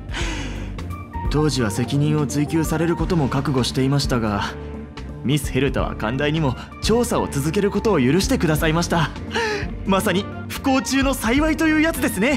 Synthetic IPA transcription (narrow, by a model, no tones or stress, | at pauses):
t̪o̞ːʑiβ̞ase̞kʲiɲ̟ĩɰ̃o̞t͡sɨikʲɨːsaɾe̞ɾɯ̟ko̞t̪o̞mo̞kakɯ̟ɡo̞ɕi̥t̪e̞imaɕi̥t̪aɡa | mʲisɨ̥he̞ɾɯ̟t̪a̰βa̰kã̰nd̪aiɲ̟imo̞ | t͡ɕo̞ːsao̞̰t͡sɨzɨke̞ɾɯ̟ko̞t̪o̞ːjɯ̟ɾɯ̟ɕi̥t̪e̞kɯ̟d̪asaimaɕi̥t̪a | masaɲ̟i | ɸɯ̟̥ko̞ːt͡ɕɨːno̞saiβait̪o̞jɯ̟ːjat͡sɨd̪e̞sɨne̞